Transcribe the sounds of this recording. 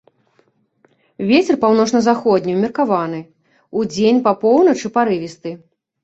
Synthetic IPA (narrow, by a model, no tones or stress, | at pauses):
vʲet͡sʲɛrpawn̪ɔt͡ʂnɐzaxɔd̪ʲnʲiwmʲirkavan̪ɨ | ud͡zʲenʲpɐpɔwnɐt͡ʂɨpaɾɨvʲist̪ɨ